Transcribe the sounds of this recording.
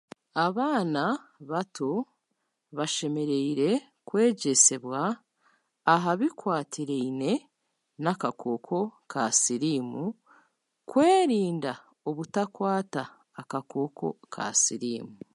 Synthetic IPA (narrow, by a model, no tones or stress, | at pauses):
aβaːnaβatʰo̞ | βaʃe̞me̞ɾe̞iɾe̞ | kwe̞ːɟe̞se̞βwaː | ɦaβikwaːtʰiɾeine̞ | nakakʰo̞ːkʰo̞kʰasiɾiːmu | kwe̞ːɾiːnda | oβutakwaːtaː | kako̞ːkʰo̞̰kʰa̰siɾḭːmu